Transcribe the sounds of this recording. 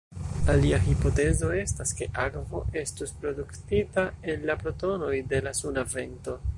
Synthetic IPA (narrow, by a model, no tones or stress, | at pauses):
aliaɦipo̞te̞zo̞e̞staske̞ʔaɡvo̞ʔe̞stuspɾo̞duktitaenlapɾo̞to̞no̞jde̞lasunave̞nto̞